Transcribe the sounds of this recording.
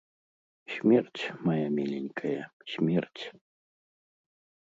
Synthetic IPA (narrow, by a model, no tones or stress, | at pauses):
ɕʲmʲert͡sʲmajamʲelʲenʲkʰɐjɐɕʲmʲert͡sʲ